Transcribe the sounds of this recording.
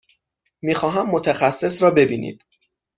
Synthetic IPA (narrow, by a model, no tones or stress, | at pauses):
miːxɒːɦæmːot̪ʰæxæsːe̞sɾɒːbe̞biːnʔḭd̪̥